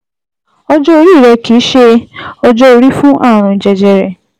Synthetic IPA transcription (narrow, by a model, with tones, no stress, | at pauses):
ɔ˧d͡ʒɔ˦o˧ɾi˦˨ɾɛ˧ki˨˦ʃe˧ɔ˧d͡ʒɔ˧o˧ɾi˦fũ˦ʔã˦˨ũ˧i˨d͡ʒɛ˧d͡ʒɛ˧ɾɛ˨